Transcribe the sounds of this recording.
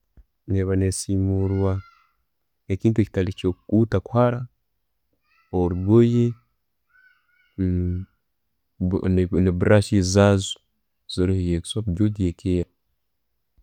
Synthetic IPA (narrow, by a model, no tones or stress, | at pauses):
neβanesimuɾwa | eciːntueci̥talicokkuːtaku̥haɾa | oɾiβoje | neβuɾaʃizazu̥ | z̥iɾihejekswakuɟoɟiekeja